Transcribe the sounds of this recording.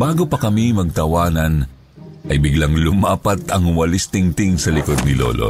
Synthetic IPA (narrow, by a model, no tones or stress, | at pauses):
baːɡopɐkɐmimɐɡ̚t̪ɐwaːnɐn | ʔɐjbɪɡlɐŋlʊmaːpɐt̪ɐŋwɐlist̪ɪŋt̪ɪŋsɐlɪkod̪̚nɪlo̰lʔo̰